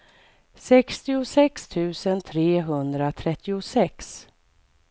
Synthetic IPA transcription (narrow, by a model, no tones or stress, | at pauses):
sɛkst̪ɪʊsɛkst̪ʰʉ̟ːsənt̪ʰɾeːɦɵnd̪ɾat̪ʰɾɛt̪ːɪʊsɛks